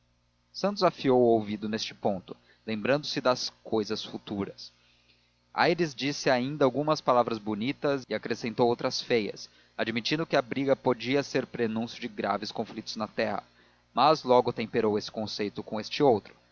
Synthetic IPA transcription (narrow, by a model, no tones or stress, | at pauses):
sɐ̃nt̪ʊzafiowʊowvid̪ʊnest͡ʃɪ̥põnt̪ʊ | lẽmbɾɐ̃nd̪ʊsɪd̪ɐskojzɐsfut̪uɾɐs | a̰jɾizd͡ʒisɪaĩnd̪ɐawɡũmɐspalavɾɐzbonit̪ɐzɪakɾesẽnt̪owowt̪ɾɐsfejɐ̰s | ad͡ʒimit͡ʃĩd̪ʊkɪɐbɾiɡɐpod͡ʒiɐseɾpɾenũsjʊd͡ʒɪɡɾa̰vɪskõflit̪ʊznɐt̪ɛhɐ̰ | mɐzlɔɡʊt̪ẽmpeɾowesɪ̥kõsejt̪ʊkõest͡ʃɪowt̪ɾʊ̥